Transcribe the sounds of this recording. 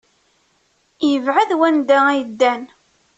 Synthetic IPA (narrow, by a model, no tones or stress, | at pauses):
jəvʕaðwænd̪ææjd̪ːæn